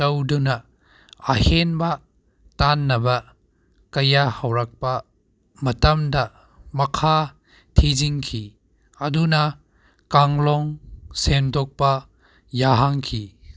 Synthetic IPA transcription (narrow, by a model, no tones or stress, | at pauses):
tɐwdunɐː | henbɐ | tanːɐbɐ | kɐjahawɾak̚pɐ | mɐtɐmdɐ | mɐkʰa | tʰiziŋkʰi | ɐdunɐ | kaŋlɔŋsemdɔk̚pɐ | jaɦaŋkʰi